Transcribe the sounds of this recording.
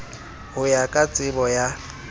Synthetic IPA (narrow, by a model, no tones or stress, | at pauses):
hʊjakʼat͡sʼɪbɔja